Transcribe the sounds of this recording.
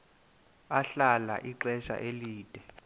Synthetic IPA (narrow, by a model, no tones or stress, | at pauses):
aɬala̰ʔiǀɛʃa̰ʔeliːd̥ʼʱɛ